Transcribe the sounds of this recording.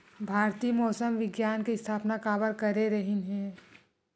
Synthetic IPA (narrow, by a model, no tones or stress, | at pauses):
bʱaːɾt̪iːmɔːsəmʋɪɡjaːnkest̪ʰaːpnakaːbəɾkəɾeɾəɦinɦɛ̃ː